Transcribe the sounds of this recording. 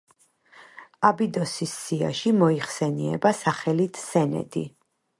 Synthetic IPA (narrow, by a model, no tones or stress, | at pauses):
abid̪ɔsisːia̰ʃimɔiχsɛniɛ̰basaχɛlit̪ʰsɛnɛ̰d̪ḭ